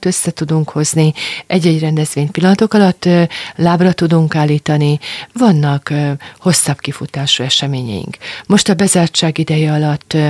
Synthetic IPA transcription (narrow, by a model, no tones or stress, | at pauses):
t̪ø̞sːɛt̪ud̪uŋkho̞zniɛɟːɛɟrɛnd̪ɛzʋeːɲpilːɒnɒt̪o̞kɒlɒt̪ːlaːbrɒt̪ud̪uŋkaːlːiːt̪ɒnivɒnːɒkho̞sːɒbkifut̪aːʃuɛʃɛmeːɲɛ̰jḭŋkmo̞ʃt̪ɒbɛzaːrt͡ʃaːɡid̪ɛjɛɒlɒt̪ː